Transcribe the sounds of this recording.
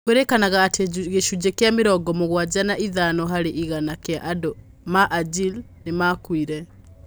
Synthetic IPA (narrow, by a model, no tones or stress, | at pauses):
kweɾekanaɣaːteɣeʃud͡ʑekeameɾɔɡɔmoɣwad͡ʑanaʔiðanɔɦaɾeʔiɣanakeaʔadɔ | maʔad͡ʒil | nemakwiɾɛ